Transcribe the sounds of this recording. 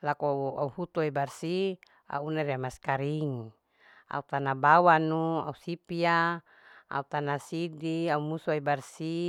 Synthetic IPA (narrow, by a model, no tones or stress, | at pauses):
lakɔa̰uhut̪uɛbarsi | a̰unariamaskaɾiŋi | a̰ut̪anabawanua̰usipia | a̰ut̪anasidiaumusuebarsi